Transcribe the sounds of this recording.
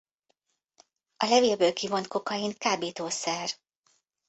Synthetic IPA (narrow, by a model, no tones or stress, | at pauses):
ɒlɛveːlbøːlkivo̞nt̪̚ko̞kɒjiŋkaːbeːt̪oːsɛr